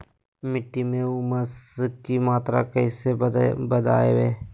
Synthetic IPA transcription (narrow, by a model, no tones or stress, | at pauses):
mɪʈːimẽʊməskimaːt̪ɾa̰kəɪsebəd̪a̰ːḛʋeː